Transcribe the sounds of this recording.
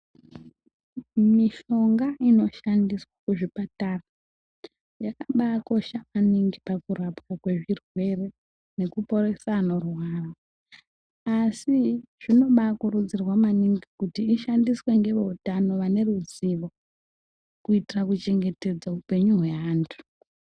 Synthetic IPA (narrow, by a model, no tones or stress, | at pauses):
miʃo̞ŋɡaʔino̞ʃandiswakuʐipatara | jakaɓako̞ʃamaniŋɡipakurapkakwe̞ʐirwe̞re̞ | ne̞kupo̞ɾe̞saːno̞rwaːra | asiʐ̥ino̞ɓakurud͡zirwamaniŋɡikutiːʃandiswe̞ŋɡe̞ʋoutano̞ʋane̞ruziʋo̞ | kuitirakut͡ʃe̞ŋɡe̞te̞d͡zaupe̞ɲuɦwe̞aːntʰu̥